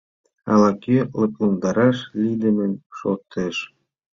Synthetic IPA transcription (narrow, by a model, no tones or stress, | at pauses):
ɑ̰lˠɑkʲelɤ̆plˠɤnd̪ɑɾɑʃlʲid̪ʲɘ̆mɘ̆nʲʃot̪ːĕʃ